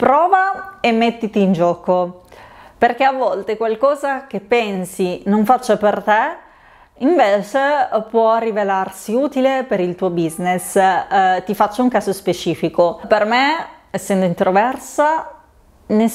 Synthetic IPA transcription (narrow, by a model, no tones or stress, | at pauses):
pɾɔːvaemːet̪ːit̪iːnd͡ʒɔːko | perk̟eavːɔlt̪ekwalkɔːzak̟epːɛnsinoɱfat͡ʃːapert̪e | iɱveːt͡ʃepwɔrːivelarsiuːt̪ilepeɾilt̪uːobiznes | t̪ifat͡ʃːauŋkaːzospet͡ʃiːfikopermeɛsːɛnd̪oint̪ɾovɛrsa | ne